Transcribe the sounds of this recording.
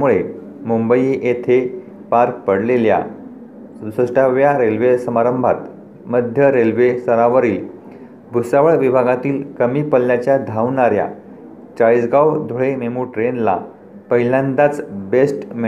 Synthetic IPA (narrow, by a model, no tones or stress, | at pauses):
muɭe | mumbəjʔet̪ʰe | paɾk̚pəɽlelja̰ | səsʈaʋjaɾelʋesəmaɾəmbʱa̰t̪ | məd̪ʱjəɾelʋesəɾaʋəɾiːl | bʱusaʋəɭʋibʱaɡat̪iːlkəmiːpəlːjat͡ɕjad̪ʱaʋɳaɾja̰ | t͡ɕajd͡zɡaʋd̪ʱoɭememuʈɾenla̰ | pəɦilãnd̪at͡sbesʈm